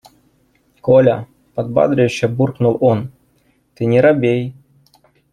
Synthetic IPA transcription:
kolʲɐ | pɐd̪̚ba̰d̪ɾʲɪjɕːɛburknulˠɔn | t̪ɨnʲɪɾabʲej

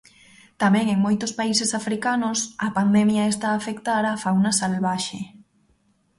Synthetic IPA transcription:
t̪amɛ̃ŋeŋmojt̪ʊspaisesafɾikanʊsɐpand̪ɛmjɐest̪aːfekt̪aɾaːfawnɐsalβaʃe

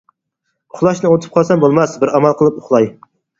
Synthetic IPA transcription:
ʊχlˠɑʃnɨot̪ʰɨ̥p̚qʰɑlˠsɛmbolˠmɑsbɪɾɑmɑlˠqʰəlˠɨp̚ʊχlˠɑj

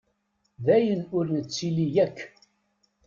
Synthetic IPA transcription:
ðæjənʊɾnət͡sːilijækː

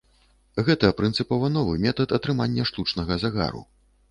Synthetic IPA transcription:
ɣɛt̪ɐpɾɨnt̪sɨpɔvɐnɔvɨmʲɛt̪ɐt̪ɐt̪ɾɨmanʲːɐʂt̪ut͡ʂnɐɣɐzaɣa̰ɾṵ

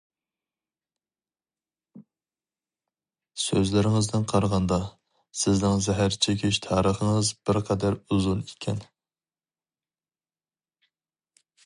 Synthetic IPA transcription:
søzlɪɾɪŋɪzd̪ɪnqʰɑɾʁɑnd̪ɑ | sɪznɪŋzɛɦæɾt͡ʃʰekʲiʃt̪ʰɑːɾəχəŋɨzb̥ɪɾqʰɛd̪æɾuzunikʲʰɛ̰n

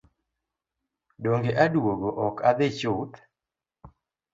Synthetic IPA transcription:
doŋɡeʔadwoɡoʔɔkad̪ɪt͡ʃʊt̪

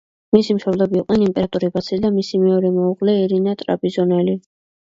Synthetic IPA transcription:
misimʃɔblɛbiːqʼnɛnimpʼɛɾat̪ʼuɾibat̪sʰid̪amisimɛɔɾɛmɔuʁlɛiɾinat̪ʼɾa̰bʼizɔnɛli

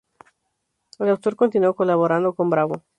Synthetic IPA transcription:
elawt̪o̞ɾkont̪inuokolaβoɾand̪oko̞mbɾaβo

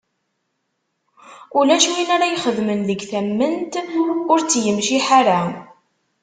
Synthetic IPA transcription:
ulæʃwinaɾajχəðmənðəɡθæmːənt̪ʊɾt͡sːjəmʃiħaɾa

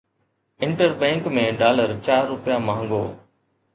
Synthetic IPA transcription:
ɪ̃ɳʈəɾbɛ̃ːŋkmẽːɖaːləɾt͡ɕaːɾːʊpɪjamãːŋɡo̰ː

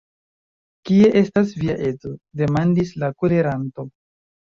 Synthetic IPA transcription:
kie̞ʔe̞stas̬viaʔe̞zo̞de̞mandislakole̞ɾanto̞

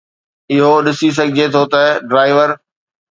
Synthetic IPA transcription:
ɪɦoɗɪsis̬ɐɡʱɪd͡ʑet̪ʰot̪ɐɖɾaːɪʋəɾ

